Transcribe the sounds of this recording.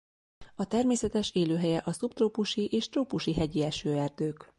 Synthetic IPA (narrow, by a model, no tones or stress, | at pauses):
ɒt̪ɛrmeːsɛt̪ɛʃeːløːɦɛjɛʔɒsupt̪roːpuʃiʔeːʃt̪roːpuʃiɦɛɟiɛʃøːɛrd̪øːk